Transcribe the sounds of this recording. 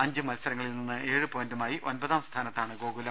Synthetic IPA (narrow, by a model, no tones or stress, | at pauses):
ɐɲd͡ʑɨmɐlsɐɾɐŋːɐɭilninːɨʔe̞ːɻɨpo̞ːjindumaːjiʔo̞nbɐðaːmst̪ʰaːnɐt̪ːaːɳɨɡo̞ːɣulɐm